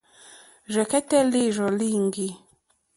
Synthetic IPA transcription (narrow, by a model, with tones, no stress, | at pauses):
ʒɛ˨kɛ˦tɛ˦li˦˨ʒɔ˨li˦˨ŋ˦ɡi˦